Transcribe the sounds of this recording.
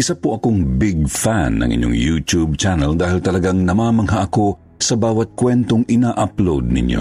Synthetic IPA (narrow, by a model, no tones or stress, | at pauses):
ʔɪsapoʔɐkoŋbɪɡ̚fanːɐ̰ŋʔɪ̰ɲːo̰ŋjut̪ub̚t͡ʃanɛld̪aːhilt̪ɐlɐɡaŋnɐmaːmɐŋɦaʔɐko̞ | sɐbaːwɐt̪̚kwɛnt̪oŋʔɪnaːʔaplowd̪̚nɪ̰ɲjo̰